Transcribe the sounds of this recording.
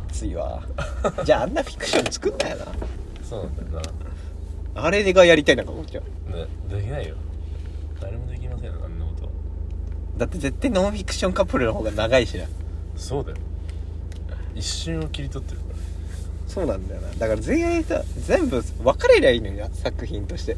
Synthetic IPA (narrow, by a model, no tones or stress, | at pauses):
t͡sɨiβa̰ | d͡ʑaːanːaɸʲi̥kːɯ̟̥ɕõ̞ɲt͡sɨ̥kɯ̟̃nd̪ajo̰na̰ | soːnãnd̪aona | aɾe̞eɡajaɾʲit̪ainaŋkakot͡ɕa | ned̪e̞kʲinaijo | d̪̥aɾemo̞d̪e̞kʲimasẽjã̰nːakot̪o̞̰a̰ | d̪at̪ːe̞ze̞t̪ːainõ̞ɸʲikːɯ̥ɕõ̞ŋkapːɯ̟ɾɯ̟no̞ɦo̞ːɡanaɡaiɕiɾã̰soːd̪ajo | iɕːɨ̃ɰ̃okʲiɾʲit̪o̞t̪ːeɾɯkaɾa | so̞ːnãnd̪ajona̰d̪akaɾazẽ̞ĩsa̰d͡zẽ̞mbɯ̟βakaɾeɾʲiaiːnoasakɯ̟çĩnt̪o̞ɕi̥t̪e